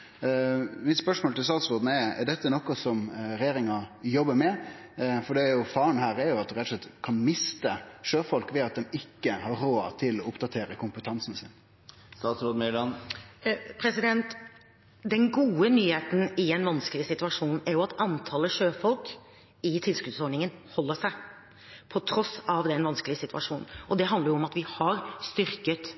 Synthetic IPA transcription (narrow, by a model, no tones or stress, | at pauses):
mɪt̪spœʂmoːlt̪ɪlst̪ɑːt̪sɾoːd̪n̩ɛɾɛ̰ɾɖ̪ɛt̪ːənɔkːɔsɔmɾɛjeːɾɪŋɑjɔbːəmɛ | fɔɖ̪ɛɾjʊfɑːəɳhæːɾɛɾjʊɑt̪̚ɾɛt̪ʊ̥slɛt̪ːkʰɑnmɪst̪əʂøːfɔlkʋɛɑt̪̚d̪ɛmɪkːəhɑɾoːɑt̪ʰɪlɔʊpd̪ɑt̪ʰeːɾəkʰʊmpət̪ʰɑnsnsɪn | st̪ɑːt̪sɾod̪melɑn | pʰɾɛsɪd̪ɛnt̪ | d̪ɛnɡuːənyːheːt̪n̩ɪɛɪnʋɑnskəlɪəsɪt̪ʉɑʂuːnɛæɾjʊɑt̪ɑnt̪ʰɑːləʂøːfɔlk | ɪt̪ʰɪlsklʉd̪sɔɖɳɪŋənhɔlːəʂæɪ | pʰɔt̪ʰɾɔsɑʋd̪ɛnʋɑnskəlɪəsɪt̪ʰʉɑ̰ʂuːnn̩ʔɔd̪ɛɦɑnd̪əɾjʊɔmɑt̪ʋɪhɑɾst̪ʏɾkət̪